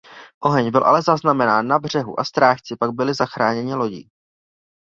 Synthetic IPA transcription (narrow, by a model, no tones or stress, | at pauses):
ʔo̞ɦɛɲbɪlʔa̰lɛzaznamɛnaːnːabr̝̥ɛɦṵʔast̪ɾaːʃt͡sɪpaɡ̚bɪlɪzaxɾaːɲɛɲɪlo̞ɟɪ̰